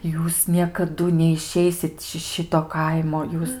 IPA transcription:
ˈjuːs nʲiɛkɐˈdʊ nʲɛɪˈʃʲɛɪsʲɪt ʃʲɪ ˈʃʲɪtoː ˈkɐɪmoː ˈjuːs

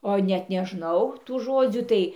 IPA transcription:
oː nʲɛt nʲɛˈʒnɐʊ tuː ˈʒoːd͡zʲuː ˈtɐɪ

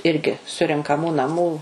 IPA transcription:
ˈɪrʲɡʲɪ sʊrʲɛŋkɐˈmuː nɐˈmuː

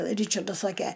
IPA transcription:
ˈrʲiːt͡ʃɐrdɐs ˈsɑːkʲɛ

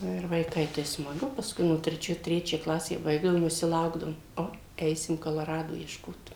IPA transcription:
ˈnʊ ɪr ʋɐɪˈkɐɪ tɐɪ smɐˈɡʊ pɐsˈkʊɪ nʊ tʲrʲɛˈt͡ʃʲoːj ˈtʲrʲæːt͡ʃʲæː ˈklˠɑːsʲæː ˈbɐɪɡdɐʋoːm ʋʲɪˈsʲɪ ˈlˠɐʊɡdɐʋoːm ˈoː ˈɛɪsʲɪm koːlˠoːˈrɑːdoː iɛʃˈkoːt

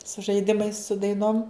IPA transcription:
sʊ ʒɐɪˈdʲɪmɐɪs sʊ dɐɪˈnoːm

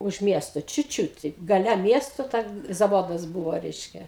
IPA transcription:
ʊʃ ˈmʲiɛstoː ˈt͡ʃʲuːt ˈt͡ʃʲuːt tʲɛɪp ɡɐˈlʲɛ ˈmʲiɛstoː ˈtʲɛn zɐˈʋoːdɐs ˈbuːʋoː ˈrʲɛɪʃʲkʲɛ

